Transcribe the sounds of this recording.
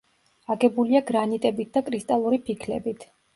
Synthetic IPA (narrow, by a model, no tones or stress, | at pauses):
aɡɛbuliaɡɾanit̪ʼɛbit̪̚d̪akʼɾist̪ʼalˠuɾipʰikʰlɛ̰bit̪ʰ